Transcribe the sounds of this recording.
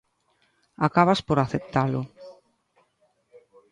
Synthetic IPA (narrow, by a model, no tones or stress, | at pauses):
akaβaspoɾaθep̚t̪alʊ